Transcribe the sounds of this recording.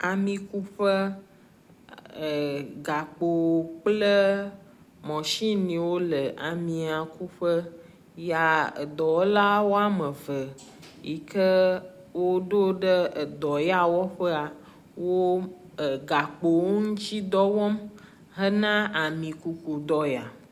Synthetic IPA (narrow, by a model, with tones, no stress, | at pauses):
a˨mĩ˨ku˦ɸə˦˨ | ɡa˨k͡po˨k͡plə˦ | mɔ̃˨ʃi˦nĩ˨wo˦lə˨a˨mĩ˨a˨ku˦ɸə˦ | ja˨ə̰˨d̪ɔ˨wla˦wo˦a˦mə˨və˨ | ji˨kə˦ | wo˦ɖo˦ɖə˦˨d̪ɔ˨ja˦wɔ˦ɸə˦a˨ | wo˦˨ | ɡa˨k͡po˨wo˦ŋũ˦t͡ʃi˦d̪ɔ˦wɔ˦m | ɦə˦nã˦a˨mĩ˨ku˨k͡pu˨d̪ɔ˦ja̰˨